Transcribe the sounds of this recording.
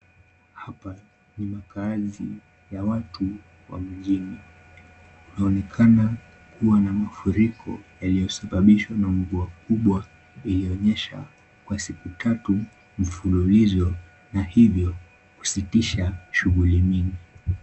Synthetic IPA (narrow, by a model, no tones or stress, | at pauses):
hapa | nimakazi | jawatu | wa̰m̩ʄini | unaɔnɛkʰana | kuwanamafuɾikʰɔ̰jalijɔsaɓaɓiʃwanaŋvuakuɓwa | iliɔɲɛʃa̰ | kwasikutʰatu | m̩fululizɔ | nahivjɔ | ku̥sitiʃaʃuɣulimini